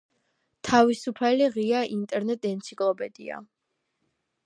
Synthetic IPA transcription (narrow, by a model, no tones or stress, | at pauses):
t̪ʰavisupʰaliʁiaʔint̪ʼɛɾnɛt̪ʼɛnt̪sʰikʼlˠɔpʼɛd̪̥ḭa̰